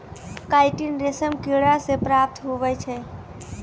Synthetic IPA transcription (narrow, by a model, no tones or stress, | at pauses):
kaɪʈinɾesəmkiɽasepɾap̚t̪ɦoʋɛt͡ʃʰɛ